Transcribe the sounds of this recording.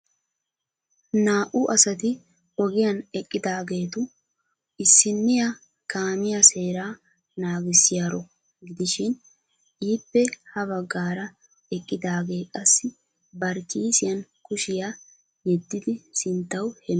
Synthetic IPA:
naːʔʊʔɐsɐt̪ɪ | ɔɡɪjɐnɛkʼːɪd̪aːɡe̞ːt̪ʊ | ɪsːɪnːɪjɐ | kaːmɪjɐse̞ːɾaː | naːɡɪsɪjaːɾɔ | ɡɪd̪ɪʃɪn | ʔiːpːɛhɐβɐɡːaːɾɐ | ɛkʼːɪd̪aːɡe̞ːkʼɐsːɪ | bɐɾkiːsɪjɐnkʊʃɪja | jɛd̪ːɪd̪ɪsɪnt̪ːɐwhɛm

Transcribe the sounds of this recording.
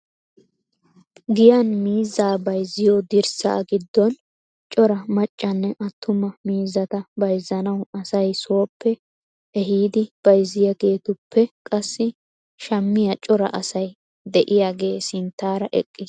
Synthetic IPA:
ɡɪjɐnmiːzːaːbɐjzːɪjod̪ɪɾsɐ̰ːɡɪd̪ːɔn | t͡ʃʼɔɾɐmɐt͡ʃʼːɐnːɛʔɐt̪ʰːʊmɐmiːzːɐt̪ɐbɐjzːɐnɐwɐsɐjso̞ːpːɛ | ɛɦiːd̪ɪb̥ɐjzɪjɐɡe̞ːt̪ʊpʰːɛkʼɐsːɪ | ʃɐmːɪjɐt͡ʃʼɔɾɐ̰ʔɐsɐj | d̪ɛʔɪjaːɡe̞ːsɪnt̪ːaːɾɐʔɛ̰kʼːɪs

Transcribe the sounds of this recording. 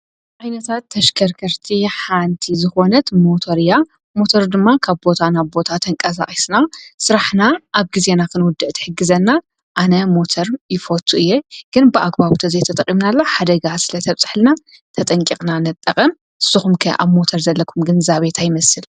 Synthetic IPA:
ʕajnɐt̪ʰat̪ːɐʃkʰɐɾkʰɐɾt̪ʰiħant̪ʰizɨxo̞nɐt̪mo̞t̪ʰoɾja | mo̞t̪ʰoɾd̪ɨmːakʰaβbo̞t̪ʰanaβbo̞t̪ʰat̪ʰɐŋkʼɐs̬a̰ʔʼisnasɨɾaħnaʔːβɡize̞nakʰɨnwʊd̪ːɨʔt̪ʰɨ̥ħɨɡːɨzɐnːa | ʔanɐmo̞t̪ʰoɾjɪfot̪ʰuʔɨjːeɡ̥ɨnbɨʔaɡbaβt̪ʰɐzet̪ʰɐt̪ʼɐkʼːimnalːoħad̪ɐɡasɨlɐt̪ʰɐβt͡sʼɨħlɨna | t̪ʰɐt̪ʼɐŋkʼikʼnanɨt̪ʼːɐkʼɐm | ɨsːɨxumkʰɐ̰ʔa̰βmo̞t̪ʰoɾzɐlːɐkʰumɡɨnzaβet̪ʰajɪmɐsɨl

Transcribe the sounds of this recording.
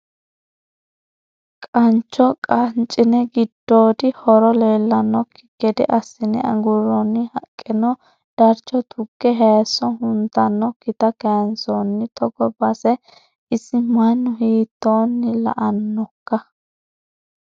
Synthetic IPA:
kʼɐnt͡ʃːɔkʼɐnt͡ʃʼɪnɛɡɪd̪ːoːd̪ɪhɔɾɔle̞ːlːɐnːɔkʰɪ̥kːɛd̪ɪʔɐsːɪnɪ̰ɐ̰ŋɡʊɾːɔnːɪhɐkʼːɪnɔ | d̪̥ɐɾt͡ʃːɔt̪ʰʊɡːɛɦeːsːɔɦʊnt̪ːɐnːɔkɪt̪ɐkɛnsonːɪt̪ɔɡɔbɐsɛ | ɪsːɪmɐnːʊɦiːt̪ːoːnːɪlɐ̰ʔɐnːɔkːɐ

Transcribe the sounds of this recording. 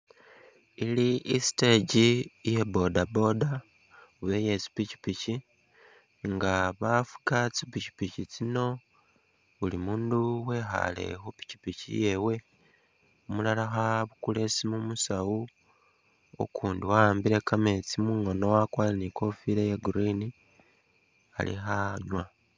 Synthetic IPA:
iliʔisi̥te̞ɟijebo̞dabo̞da | uβeje̞t͡si̥pici̥pici | ŋɡaβafu̥kat͡sipici̥picit͡sino̞ | ulimuːnduwe̞xa̰le̞̰xopi̥ci̥picḭje̞we̞ | omulalaxaβukule̞simumusawu | o̰kʰuːndiwaaːmbiɾe̞kame̞t͡simuŋo̞nowakwaleniko̞fiɾejeɡuɾini | a̰lḭxaɲwa

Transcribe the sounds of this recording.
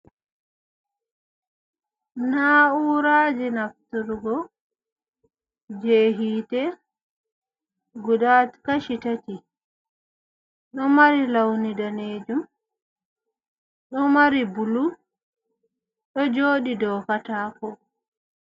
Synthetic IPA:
nauɾaːd͡ʒinaftuɾɡɔ | d͡ʒeːɦiːtɛ | ɡudatkaʃitati | ɗɔmaɾilawnidaneːd͡ʒum | ɗɔmaɾibulu | ɗɔd͡ʒoːɗidɔkatakɔ

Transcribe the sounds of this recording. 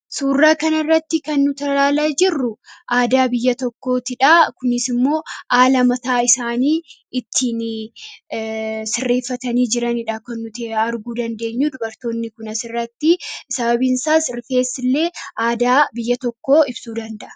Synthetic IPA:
suːrːaːkɐnɐrːɐt̪ːɪkɐnːʊt̪ɐlaːlaːd͡ʒɪrːʊʔaːd̪aːbɪjːɐt̪ɔkːo̞ːt̪ɪᶑaːkʊnɪsɪmːo̞ːʔaːlɐmɐt̪aːɪsaːniː | ɪt̪ʰːiːn | sɪrːeːfːɐt̪ɐniːd͡ʒɪɾɐnɪᶑakɐnːʊt̪eɐɾɡuːd̪ɐnd̪e̞ːɲːuːd̪ʊbɐɾt̪o̞ːnːɪkʊnɐsɪrːɐt̪ːɪsɐbɐbinsaːsɾɪfe̞ːsːɪlːe̞ːaːd̪aːbɪjːɐt̪ɔkːo̞ːɪbsuːd̪ɐnd̪ɐʔɐ̥

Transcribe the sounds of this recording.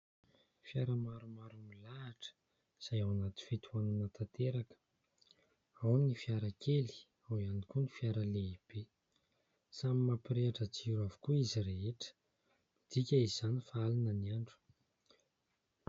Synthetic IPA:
fiaɾamaɾumaɾumilaːʈ͡ʂə̥ | iz̥ajawanat̪i̥fit̪ʰuananət̪at̪eɾakə̥ | awnnifiaɾakʰeli̥ | awianikunifjaɾəleib̥e | samimapiɾeaʈ͡ʂət͡siɾuavu̥kuizireɦeʈ͡ʂə̥ | mid̪̥ikʲaiz̥anifaalinəniaɳɖ͡ʐu̥

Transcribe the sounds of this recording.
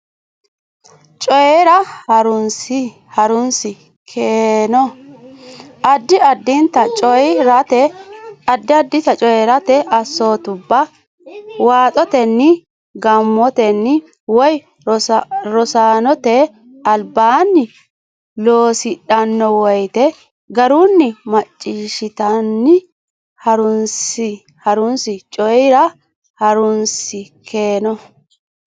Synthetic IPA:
t͡ʃʼɔjɛɾɐhɐɾʊnsɪ | hɐɾʊnsɪ | kʰeːnɔ | ɐd̪ːɪɐd̪ːɪnt̪ɐt͡ʃʼɔjɾɐt̪ɛɐd̪ːɪɐd̪ːɪt̪ɐt͡ʃʼɔjɛɾɐt̪ɛɐsːo̞ːt̪ʊbːɐ | waːt̪ʼɔt̪ɛnːɪ | ɡɐmːɔt̪ɛnːɪ | wɔj | ɾɔsaːnɔt̪ɛ | ɐlbaːnːɪ | loːsɪᶑɐnːɔwɔjt̪ɛ | ɡɐɾunːɪmɐt͡ʃʼːiːʃɪt̪ɐnːɪ | hɐɾʊnsɪ | hɐɾʊnsɪt͡ʃʼɔjɪɾɐ | hɐɾʊnsɪkʰeːnɔ

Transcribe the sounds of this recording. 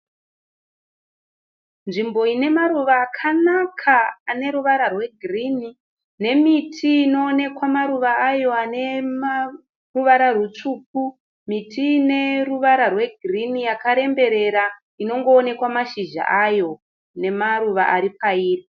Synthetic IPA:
nʐimbo̞ine̞maɾuʋaːkʰanakʰaːne̞ɾuʋaɾarwe̞ɡʱirini | ne̞mitʰiːno̞ːne̞kwamaɾuʋaːjo̞anem | ruʋaɾarut͡ʂuːk̚u | mitiːne̞ruʋaɾarwe̞ɡʱirinijakaɾe̞mbe̞ɾe̞ɾa | ino̞ŋɡo̞ːne̞kwamaʃiʒa̰ʔajo̞ | ne̞maɾuʋa̰ʔaɾipaiːri

